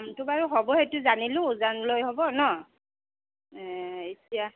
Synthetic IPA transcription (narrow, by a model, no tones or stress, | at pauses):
mtʊbaɹuɦɔbɔhetʊzanilʊ̃zanlojɦɔbɔnɔ | ɛetija